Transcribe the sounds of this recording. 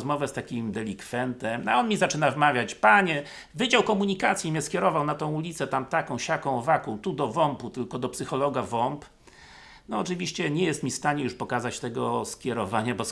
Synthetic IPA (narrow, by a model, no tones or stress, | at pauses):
zmɔvɛst̪akʲimd̪ɛlʲikfɛnt̪ɛma̰ɔnmʲizat͡ʂɘnavmavʲjat͡ɕpaɲɛ | vɘd͡ʑawkɔmuɲikat̪sʲjimʲɲɛskʲɛɾɔvawnat̪ɔ̃w̃ulʲit̪sɛt̪amt̪akɔ̃w̃ɕakɔ̃w̃vakɔ̃w̃t̪ud̪ɔvɔmput̪ɘlkɔd̪ɔpsɘxɔlɔɡavɔmp | nɔɔt͡ʂɘvʲiɕt͡ɕɛɲɛjɛst̪mʲifst̪aɲɛjuʂpɔkazat͡ɕt̪ɛɡɔskʲjɛɾɔvaɲabɔ